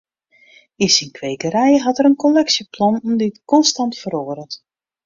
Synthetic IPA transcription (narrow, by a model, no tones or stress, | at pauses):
insinkʰʋeːɡəɾɛjəɦɑtəɾənkolɛksjəplɔnnditkɔnstɑntfəɾoːəɾət